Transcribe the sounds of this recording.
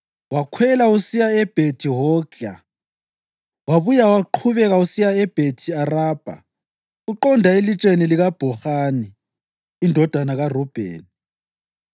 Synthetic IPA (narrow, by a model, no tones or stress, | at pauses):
wakʰwɛlausijaɛb̥ʱetʰiɦɔɡa | waβujawaǃʰuβɛɣausijaɛb̥ʱetʰiaraːb̥ʱa̰ | uǃɔndʱaelit͡ʃʼeniliɣab̥ʱɔxaniː | ndʱɔd̥ʱanaɣarɔb̥ʱḛːni